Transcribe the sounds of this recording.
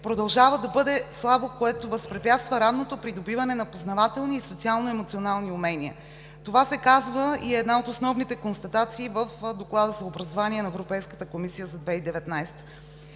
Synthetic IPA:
pɾod̪ɐlˠʒavəd̪ɐbɤd̪ɛslˠabokoɛt̪ovəspɾɛpʲjat̪st̪vəɾad̪not̪opɾid̪obivɐnɛnɐpoznɐvat̪ɛlˠniːsot̪sialˠnoɛmot̪sionalˠniumɛniə̰ | t̪ovasɛkazvəiɛd̪naot̪osnɔvnit̪ɛkonst̪ɐt̪at̪siːvəfd̪oklˠad̪əzɐobɾɐzovaniɛnɐɛvɾopɛjskət̪əkomisijəzɐd̪vɛid̪ɛvɛt̪najst̪ə̥

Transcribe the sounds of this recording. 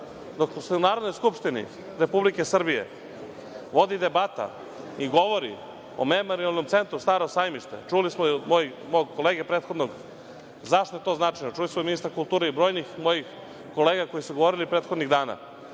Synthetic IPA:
d̪okosunaːɾod̪nojskupʂt̪inḭ | ɾe̞publikesr̩bijḛ | ʋo̞d̪id̪e̞bat̪a̰ | iɡo̞ʋo̞ɾḭ | o̰memo̞ɾialˠno̞mt̪se̞nt̪ɾust̪aːɾosaːjmiʃt̪ḛt͡ʃulismood̪mo̞j | moɡkoleːɡepɾe̞ːt̪xo̞d̪noɡ | zaʃt̪oet̪o̞ːznat͡ʃajɲot͡ʃulismominist̪ɾakulˠt̪uːɾeibɾo̞ːjnixmo̞jix | ko̞leːɡako̞jisuɡo̞ʋo̞ɾilipɾeːt̪xo̞d̪niɣd̪aːna̰

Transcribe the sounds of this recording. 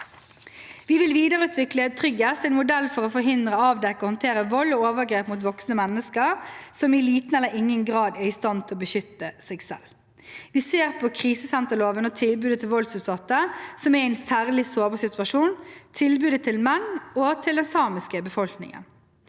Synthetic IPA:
ʋɪʋɪlʋiːd̪əɾəʉːt̪ʰʋɪklət̪ʰʁʏɡest̪ɛɪnmʊd̪ɛlfɔʁɔfɔɾɦɪnd̪ɾəɑːʋd̪ɛkːəɔhɔnt̪ʰeːʁəʋɔlːɔoːʋəɡɾeːpmuːt̪̬ʋɔksnəmɛnːəskəʁsɔmɪliːt̪nɛlːəɪŋːənɡʁɑːd̪ɛɪst̪ɑnt̪ʰɪlɔbəʃʏt̪ːəsɛːɡsɛ̰l | ʋɪseːʁpʰɔkʰʁiːsəsɛnt̪əloːʋənɔt̪ʰɪlbʉːd̪ət̪ʰɪlʋɔlsʉːt̪sɑt̪ːəsɔmɛɛɪnsæːʁlɪsoːbəʁsɪt̪ʉɑʂuːnt̪ʰɪlbʉːd̪ət̪ʰɪlmɛnːoːt̪ʰɪld̪ɛnsɑːmɪskəbəfɔlknɪ̰ŋə̰n

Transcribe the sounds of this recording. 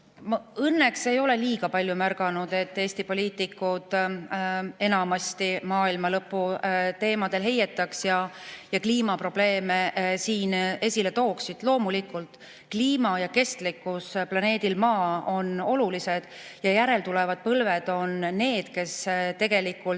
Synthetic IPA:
mɤnːe̞kse̞jo̞le̞liːɡ̥ɑpɑlʲjumærɡ̥ɑnud̪̥e̞t̪ːe̞ːsʲt̪ipo̞liːt̪ːˑikːud̪̥ | e̞nɑmɑst̪imɑːilmɑlɤpːˑut̪e̞ːmɑd̪̥e̞lɦe̞jet̪ːˑɑksjɑjɑkliːmɑpro̞b̥le̞ːmesiːne̞sʲilet̪o̞ːksid̪̥lo̞ːmulikːˑult̪ | kliːmɑjɑke̞st̪likːusplɑne̞ːd̪̥ilmɑːo̞no̞lulise̞d̪̥ | jɑjæɾe̞lt̪ulɛvɑd̪̥̚pɤlve̞d̪̥o̞nːe̞ːd̪̥ke̞st̪e̞ɡ̥e̞likːˑul

